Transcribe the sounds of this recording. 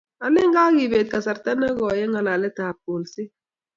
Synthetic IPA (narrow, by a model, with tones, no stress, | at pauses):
a˨lɪ˦ŋɡa˦ɡi˨beː˨t̪̚ka˨sa˨ɾta˦na˦ɡɔ˨jɛ˦ŋa˨la˨lɛ˦taː˨p̚ːo˨lsɪ˦